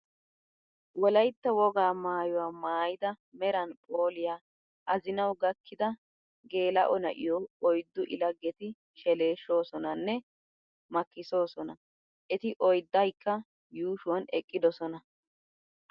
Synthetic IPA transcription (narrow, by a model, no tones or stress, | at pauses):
wɔlɐjt̪ːɐwɔɡaːmaːjʊwaːmaːjɪd̪ɐ | mɛɾɐnpʼoːlɪjaː | ʔɐzɪnɐwɡɐkʰːɪd̪ɐ | ɡe̞ːlɐ̰ʔɔnɐ̰ʔɪ̰jɔɔjd̪ːʊʔɪlɐɡːɛt̪ɪ | ʃɛle̞ːʃːo̞ːsɔnɐnːɛ | mɐkːɪso̞ːsɔnɐ | ʔɛt̪ɪʔɔjd̪ːɐjkːɐ | juːʃʊwɐnɛkʼːɪd̪ɔsɔnɐ